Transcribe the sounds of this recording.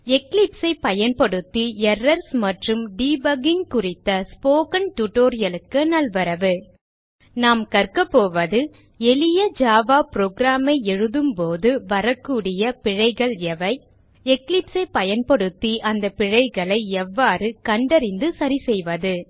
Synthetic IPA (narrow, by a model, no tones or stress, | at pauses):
ɛklɪpsɐɪpɐjɐnpɐɽɯt̪ːiɛrːɐɾsmɐʈrɯmɖiːbɐɡɪŋkʊrɪt̪ːɐspoːkɐnʈuʈːoːɾɪjɐlɯkːɯnɐlʋɐɾɐʋɯ | naːmkɐrkɐpːoːʋɐðɯ | ɛɭɪjɐd͡ʒaːʋaːpɾoːɡɾaːmɐɪɛɻɯðɯmpoːðɯʋɐɾɐkːuːɽɪjɐpɪɻɐɪɣɐɭɛʋɐɪ | ɛklɪpsɐɪpːɐjɐnpɐɽɯt̪ːiʔɐnd̪ɐpɪɻɐɪɣɐɭɐɪɛʋːaːɾɯkɐɳɖɐɾɪnd̪ɯsɐɾisɛjʋɐðɯ